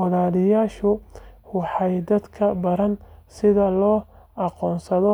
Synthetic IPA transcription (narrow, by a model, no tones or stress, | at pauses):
ɑlaːlɪjaːʃʊwɑħɑjd̪ɐd̪kʰɐbɐɾɐnsɪðɐlɔːʔɑqɔːnsɐðɔ